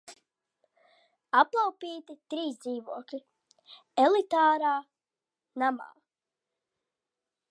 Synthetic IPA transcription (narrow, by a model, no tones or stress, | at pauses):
aplˠawpiːt̪it̪ɾiːsd̪ziːvuɔklʲi | ɛlˠit̪aːɾaː | nama̰ː